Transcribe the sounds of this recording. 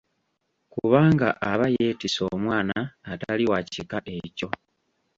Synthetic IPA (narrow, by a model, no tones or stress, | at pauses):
kuβaːŋɡa̰ʔaβaje̞ːtiso̞̰mwaːnaːtaliwacikaʔe̞co̞